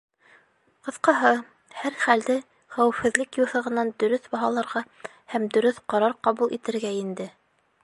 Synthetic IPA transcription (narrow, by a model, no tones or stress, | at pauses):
qɤ̆θqɑɦɤ | hæɾχæld̪ɘ | χæwɘ̆fhɘ̆ðlɘkjuθɤ̆ʁɤ̆nɑnd̪ɵ̆ɾɵθbɑɦɑlˠɑɾʁɑ | hæmd̪ɵ̆ɾɵθqɑɾɑɾqɑβulˠʔḭt̪ɘ̆ɾɡæind̪ɘ